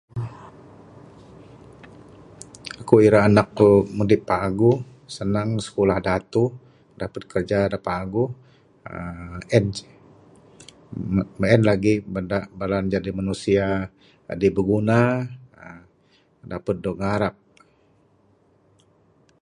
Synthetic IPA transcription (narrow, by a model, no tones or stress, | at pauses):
akuiɾaːnak̚mudɪpːaɡu | sənaŋsə̥kulahdat̪u | dapət̪̚kərd͡ʒadapaɡu | ɛn | bəɛnlaɡibəndaʔbaland͡ʒadimanusia | dibəɡuna | dapət̪̚dɔŋaɾap̚